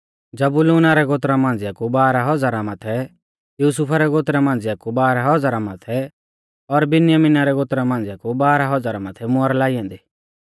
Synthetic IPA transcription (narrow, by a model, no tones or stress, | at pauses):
d͡zɐbʊluːnaɾɛɡot̪̬ɾamãːn̆d͡zɪakubaːɾaɦɔd͡zaːɾamat̪ʰɛ | juːsʊpʰaɾɛɡot̪ɾamãːn̆d͡zɪakubaːɾaɦɔd͡zaːɾamat̪ʰɛ | ɔɾbɪnjəmɪnaɾɛɡoːt̪ɾamãːnd͡zɪakubaːɾaɦɔd͡zaːɾamat̪ʰɛmɔɾlaːiãːnd̪i